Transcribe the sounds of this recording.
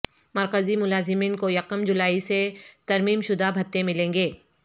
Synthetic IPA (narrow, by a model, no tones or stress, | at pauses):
mɐɾkəzimʊlaːzɪmiːnkojɐqəmd͡ʒʊlaːiset̪ɐɾmiːmʃʊd̪ʱabʱɐt̪ːẽmɪlẽːŋɡeː